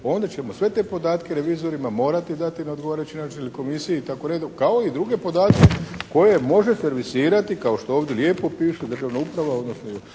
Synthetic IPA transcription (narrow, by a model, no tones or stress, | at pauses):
o̞ːnd̪at͡ɕe̞mo̞sʋe̞t̪e̞po̞d̪aːt̪keɾe̞ʋiːzo̞ɾimamo̞ːɾat̪id̪at̪inao̞d̪ɡoaːɾajut͡ɕinat͡ʃinliko̞misijeit̪akoɾed̪kao̞id̪ɾuɡe̞po̞d̪aːt̪̚keko̞je̞mo̞ʒeseɾʋisiːɾat̪ikao̞ʃt̪ooːʋd̪je̞lje̞ːpo̞piːʃed̪r̩ʒaʋnaupɾaʋao̞d̪nosnoo